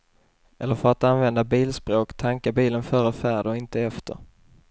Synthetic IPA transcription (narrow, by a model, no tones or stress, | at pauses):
ʔɛlːəɾfœɾat̪anvɛnd̪abiːlspɾoːkt̪ʰaŋkabiːlənfœːɾəfæːɖɔɪnt̪əɛft̪ʰə̰ɾ